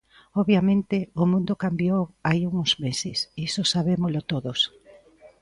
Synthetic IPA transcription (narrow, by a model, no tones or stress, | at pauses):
ɔβjamẽnt̪ɪʊmũnd̪okambjowaiuŋoz̥mesɪsisosaβemolot̪oðos